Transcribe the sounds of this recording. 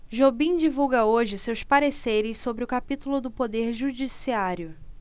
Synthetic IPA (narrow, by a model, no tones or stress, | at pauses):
ʒobĩd͡ʒivuwɡɐoʒɪsewspaɾesejɾɪssobɾɪʊkapit̪ulʊd̪ʊpod̪eɾʒud͡ʒisiaɾjʊ